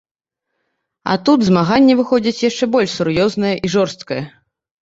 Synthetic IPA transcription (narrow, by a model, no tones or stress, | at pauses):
ɐ̰t̪ud̪zmaɣanʲːɛvɨxɔd͡zʲit͡sʲjaʂt͡ʂɛbɔlʲʂsuɾjɔznɐjɐʔiʐɔrst̪kɐjɐ